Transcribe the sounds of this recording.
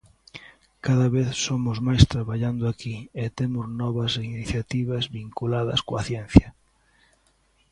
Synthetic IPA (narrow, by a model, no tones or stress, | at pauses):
kaðɐβeθsomʊzmajst̪ɾaβaʎand̪ʊakiet̪emʊznɔβɐseiniθjat̪iβɐzβiŋkulaðɐ̰skoɐθjɛn̟θjɐ